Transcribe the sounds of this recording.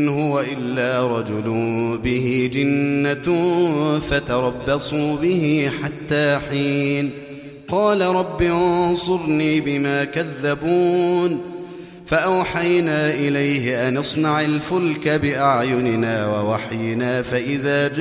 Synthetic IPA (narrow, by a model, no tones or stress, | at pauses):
nhʊwaʔɪlːaːɾˤɑd͡ʒʊlʊbɪhiːd͡ʒɪnːa | fat̪ɑɾˤɑbːɑsˤuːbɪhiːħat̪ːaːħiːn | qɑːlaɾˤɑbːiʔʊnsˤʊɾniːbɪmaːkaðːabuːn | faʔawħajnaːʔɪlajhɪʔanɑsˤnɑʕalfʊlkabɪʔaʕjʊnɪnaːwawaħjɪnaːfaʔɪðaːd͡ʒ